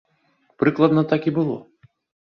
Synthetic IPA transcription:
pɾɨklˠɐd̪nɐt̪akibɨlˠɔ̰

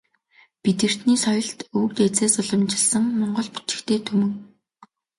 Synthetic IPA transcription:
pit̪ɘ̆r̥t̪niːsɔjɞ̆ɬt̪ukt̪et͡seːsʊɮɞ̆mt͡ɕɪ̆ɮsə̆ŋmɔɴɢɞ̆ɮpu̥t͡ɕ̪ɪ̥̆kt̪ʰeːt̪ʰɵmɵ̆ŋ

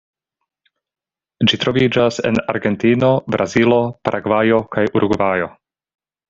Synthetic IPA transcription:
d͡ʒit̪ɾo̞vid͡ʒase̞̰na̰ɾɡe̞ntino̞bɾʔazilo̞paɾʔaɡvajo̞kajʔuɾuɡvajo̞

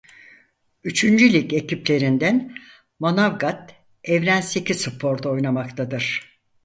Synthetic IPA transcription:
yt͡ʃʰynd͡ʒylʲice̞ciplʲe̞ɾind̪æn | monavɡat̪ | ɛvɾænse̞cʰizsɯpʰo̞ɾd̪ao̞jnamakt̪ʰad̪ɯɾ̥

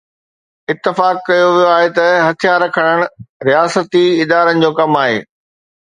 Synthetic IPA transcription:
ɪt̪ːɪfaːkːɐjoʋijoaːɦet̪ɐɦɐt̪ʰjaɾɐkʰəɽ̃əɽ̃ɾijaːsət̪iɪd̪aːɾənɪ̆d͡ʑoːkɐmaːɦḛː

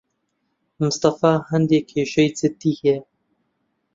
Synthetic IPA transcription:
mʊst̪ɑfɑːhɛnd̪eːkʰeːʃɛjt͡sɪt̪iːhɛ

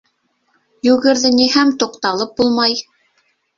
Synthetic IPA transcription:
jʉɣɘ̆ɾðɘnihæmt̪uqt̪ɑlˠɤp̚bulˠmɑj

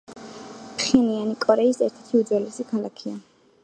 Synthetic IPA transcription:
pʰχɛnianikʼɔɾɛisɛɾt̪ʰɛt̪ʰiud̪zwɛlɛsikʰalˠakʰia

